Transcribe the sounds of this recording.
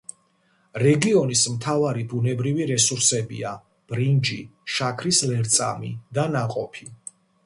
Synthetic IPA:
ɾɛɡiɔnismt̪ʰavaɾibunɛbɾiviɾɛsuɾsɛbḭa | b̥ɾind͡ʒiʃakʰɾislɛɾt̪sʼa̰mid̪anaqʼɔpʰi

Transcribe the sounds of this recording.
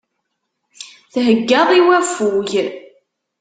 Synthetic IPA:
θɦəɡːəðˤiwæfuʝ

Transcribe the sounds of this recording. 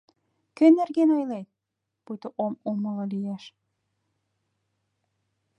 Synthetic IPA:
kø̆nerɣenɑjlej | pujt̪oʔomomɤ̆lɤlijæʃ

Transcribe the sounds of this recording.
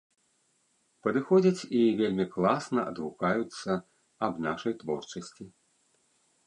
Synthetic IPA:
pɐd̪ɨxɔd͡zʲɐt͡sʲivʲelʲmʲiklˠasnɐʔɐ̰d̪vukajut̪sːɐ | ɐbnaʂɐjt̪vɔ̰rt͡ʂɐsʲt͡sʲi

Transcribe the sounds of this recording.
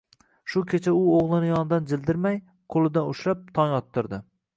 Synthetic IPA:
ʃʊkʲʰet͡ʃʰaʊoʁlˠɪnɪjɒnd̪and͡ʒɪld̪ɪɾmaj | qʰolˠɪd̪anʊʃɾap̚t̪ʰɒŋjɒt̪ʰːɪɾd̪ɪ

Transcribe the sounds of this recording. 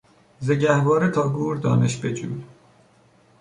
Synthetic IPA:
zeɟæhbɒːɾet̪ʰɒːɡuːɾd̪ɒ̰ːneʃbed͡ʒṵːm

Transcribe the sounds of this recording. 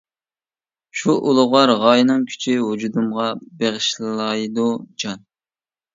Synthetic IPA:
ʃuʔulˠʊʁɑɾʁɑjnɨŋkʲʰy̥t͡ʃʰiɦud͡ʒud̪umʁɑbeʁɨʃlɨlˠɑjd̪ud͡ʒɑn

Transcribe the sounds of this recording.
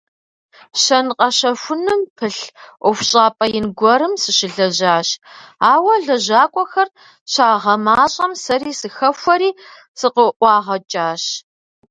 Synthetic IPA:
ɕɐnqʼɐɕɐfʷʊnɨmpʰɨɬʔʷʊfʷɕʼaːpʼɐjɪnɡʷɔɾɨmsɨɕɪɮɐʑaːɕaːwɐɮɐʑaːkʷʼɔxɐr | ɕaːʁɐmaːɕʼɐmsɐɾiːsɨxɐfʷɔɾiː | sɨqəʔʷɑːʁɐt͡ʃʼaːɕ

